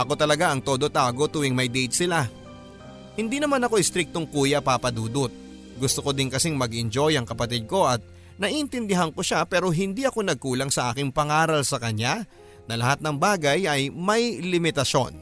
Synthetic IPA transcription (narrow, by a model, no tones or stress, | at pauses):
ʔɐko̞t̪ɐlɐɡaʔɐŋt̪o̞ːd̪o̞t̪aːɡo̞t̪uːwɪŋmɐjd̪ɛjt̪̚sɪla | hɪnd̪inɐmanɐko̞jst̪ɾɪk̚t̪oŋkuːjɐpapɐd̪uːd̪ot̪̚ | ɡʊst̪oko̞d̪ɪnkɐsiŋmɐɡʔɪnd͡ʒo̞jɐŋkɐpɐt̪id̪̚ko̞ʔɐt̪̚ | nɐʔʔɪnt̪ɪnd̪ɪɦaŋko̞ʃapɛːɾo̞ɦɪnd̪iɐko̞nɐɡ̚kuːlɐŋsɐʔaːkɪŋpɐŋaːɾɐlsɐkɐɲːa | nɐlɐhat̪̚nɐŋbaːɡɐjɐjmɐjlɪmɪt̪ɐʃo̞̰n